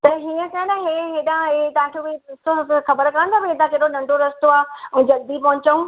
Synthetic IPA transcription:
t̪ɐɦiːə̃kɐə̃nɐɦeɦeːɗãɦet̪ɐãkʰobiɪst̪oxɐbəɾkɐə̃nd̪abiẽt̪ãkeːɗonɐ̃ɳɖoɾɐst̪oãːd͡ʑɐld̪ipɐɦʊ̃ɲt͡ɕəũ

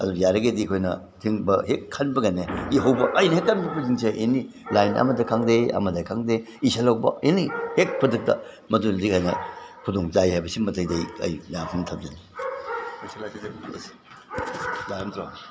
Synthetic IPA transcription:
ɐ̰dujaɾɐɡedikʰojnɐ̰ | tʰiŋbɐhekʰːanbɐɡɐnːeiɦɐwbɐʔɐjnɐɦekʰːanbɐpuziŋseʔeni | lajnʔɐ̰mɐdɐkʰaŋdeɐ̰mɐdɐkʰaŋde | isɐlawbɐ̰enihek̚pʰɐdɯk̚tɐ̰ | mɐdunɐzikhajnɐkʰudoŋt͡ʃajhajbɐsimɐtɐjdɐjɐ̰jjapʰɐntʰɐp̚dɐni | isɐlasiɐsi̥ | lantɾo

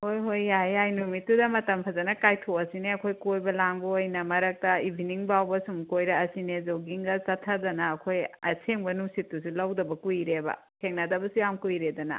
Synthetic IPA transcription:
hojɦojajajnumitːudɐmɐtɐmpʰɐzɐnɐkajtʰoɐsineɐkʰojkojbɐlaŋbɐojnɐmɐɾɐk̚tɐibʱiniŋbawbɐsumkojɾɐɐsinezowɡiŋɡɐt͡ʃɐtʰɐdɐnɐːkʰojɐ̰seŋbɐnusitːus̬ulawdɐbɐkujɾebɐ̰ | kʰeŋnadɐbɐsujamkujɾedɐnɐ̰

